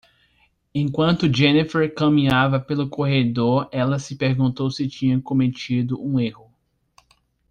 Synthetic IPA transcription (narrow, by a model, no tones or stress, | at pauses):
ẽkwɐ̃nt̪ʊd͡ʒenifɛɾkɐmĩɲavɐpelʊkʰoɦed̪oɾɛlɐsɪpeɾɡũnt̪owsɪt͡ʃĩɲɐ̃kõmet͡ʃid̪ʊʔũehʊ